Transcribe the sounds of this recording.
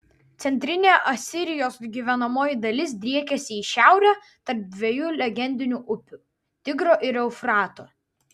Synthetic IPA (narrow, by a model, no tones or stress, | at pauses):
t̪sʲɛnʲt̪ʲɾʲɪnʲeːʔɐsʲɪɾʲɪjoːsɡʲiːʋʲɛnɐmoːjɪd̪ɐlʲɪs̬d̪ʲɾʲiɛkʲɛsʲɪiːʃʲæˑʊɾʲæː | t̪ɐɾp̚d̪ʲʋʲiɛjuːlʲɛɡʲɛnʲd̪ʲɪnʲuːʔʊpʲuˑ | t̪ʲɪɡɾoːʔɪɾɛʊfɾɑːt̪oː